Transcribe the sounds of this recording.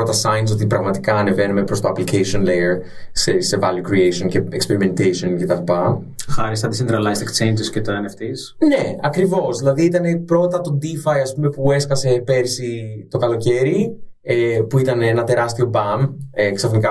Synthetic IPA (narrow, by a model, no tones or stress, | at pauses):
ot̪ɐsɐjns̬o̞t̪ipɾɐɣmɐt̪ikɐːne̞ve̞nume̞pɾo̞st̪oɐplikejsio̞nlejeɾ | sesevɐljukɾiejsio̞nceːkspe̞ɾime̞nt̪ejsioncet̪ɐlipɐ | xɐɾist̪ɐt̪isind̪ɾɐlɐist̪ekt͡ʃejnd͡ʒiscet̪oeneft̪is | ne̞ɐkɾivo̞zðilɐðiit̪ɐne̞pɾo̞t̪ɐt̪o̞d̪ifɐjɐspume̞pue̞skɐse̞pe̞ɾsit̪o̞kɐlo̞ce̞ɾi | epuit̪ɐneenɐt̪e̞ɾɐst̪io̞bɐmeksɐfnikɐ